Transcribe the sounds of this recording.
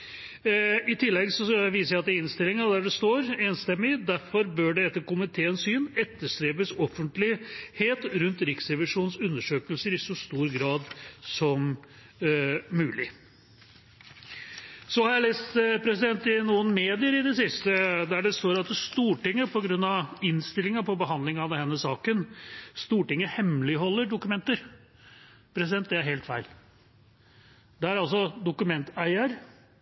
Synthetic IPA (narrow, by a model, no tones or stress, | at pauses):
ɪt̪ʰɪlːɛɡsɔʋiːsəɾjæɑt̪d̪æɪnst̪ɪlɪŋəɑd̪æɖɛst̪oːɾeːnst̪ɛmːɪd̪æɾfɔɾbøːɖɛɛt̪ːəkʊmət̪ʰeːɛnsyːnɛt̪ːəʂt̪ɾeːpəsɔfːənt̪lɪheːt̪ɾʉnt̪ɾɪksɾɛʋɪʂuːnsʉnːəʂøːkəlsəɾɪsɔst̪uːɾɡɾɑːd̪sɔm | ʉːlɪ | sɔhɑɾjæɪleːst̪pʰɾɛsɪd̪ɛnt̪ɪnuːənmeːd̪ɪəɾɪd̪ɛsɪst̪əd̪æɖɛst̪oːɾɑt̪st̪uːʈɪŋːəpʰɔɡɾʉnːɑʋɪnst̪ɪlːɪŋɑpʰɔbəɦɑnd̪lɪŋɑʋd̪ɛhɛnːəsɑːkənst̪uːʈɪŋːəhɛmlɪɦɔlːəɖʊkʉmɛnt̪əɾ | pʰɾɛsɪd̪ɛnd̪ɛæɾɦeːlt̪fæɪl | d̪ɛæɾɑls̬ɔd̪ʊkʉmɛnt̪æɪəɾ